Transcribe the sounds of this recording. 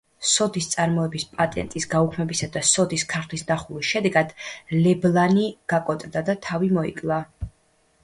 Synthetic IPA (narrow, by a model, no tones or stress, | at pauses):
sɔd̪ist̪sʼaɾmɔɛbispʼat̪ʼɛ̰nt̪ʼisɡaukʰmɛbisad̪asɔd̪iskʰaɾχʰlisnaχulisʃɛd̪ɛɡad̪̥lɛblˠaniɡ̥akʼɔt̪ʼd̪ad̪at̪ʰavimɔḭkʼlˠa